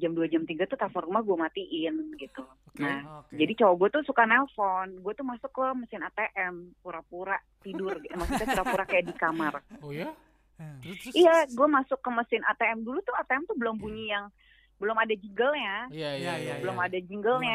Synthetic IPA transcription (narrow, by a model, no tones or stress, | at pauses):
d͡ʒamduad͡ʒamt̪iɡat̪ut̪afɔrmaɡuamat̪iʔɪnɡit̪u | nahd͡ʒadit͡ʃawaɡuat̪usukanɛlfɔnɡuat̪ʊhmasʊkːəməsɪnat̪eʔɛmpuɾapuɾaʔt̪idʊrɡmasʊkɲapuɾapuɾaʔkajaʔdikamar | ijaɡuamasʊkːəməsɪna̰t̪eɛmdulut̪ʊat̪eɛmt̪ubəlʊmbuɲiaŋ | bəlʊmadad͡ʒiŋɡəlɲa | bəlʊmadad͡ʒiŋɡəlɲa